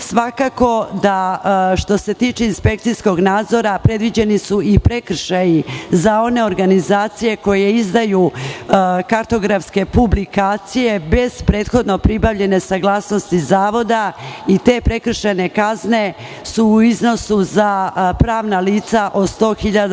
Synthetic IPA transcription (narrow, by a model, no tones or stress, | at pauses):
sʋakako̞d̪aʃt̪o̞se̞t̪iːt͡ʃeinspe̞kt̪sijsko̞ɡnaːd̪zo̞ɾapɾe̞d̪ʋid͡ʑe̞nisuipɾe̞kr̩ʃajizao̞ne̞o̞ɾɡanizaːt̪sije̞ko̞je̞izd̪aju | kaɾt̪o̞ɡɾafske̞publikaːt̪sije̞be̞z̥pɾe̞ːt̪xo̞d̪no̞pɾibaʋʎe̞ne̞saɡlˠaːsno̞st̪izaːʋo̞d̪ait̪e̞ːpɾe̞kr̩ʃene̞kazne̞ | suːizno̞suzapɾaːʋnaliːt̪saʔo̞d̪st̪o̞ːxiʎad̪